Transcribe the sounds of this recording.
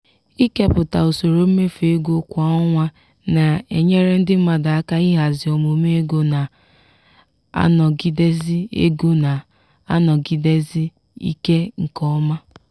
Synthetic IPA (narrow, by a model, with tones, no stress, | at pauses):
i˦ke˦pʊ˨ta˨o˨so˨ɾo˨m̩˦me˦fe˨˦ɡo˦kʷa˦ɔ˦ŋʷa˦ | na˨e˨ɲe˦ɾe˦n̩˦dɪ˦m̩˦ma˨da˨a˦ka˦ɪ˦ɦa˨zɪ˨ɔ˨mo˨me˦ɡo˦na˨ | a̰˦nɔ˨ɡi˦de˦zi˦ḛ˦ɡo˦na˨ | a˦nɔ˨ɡi˦de˦zi˦ | ḭ˦ke˦ŋ̩˨kɔ˦ma˦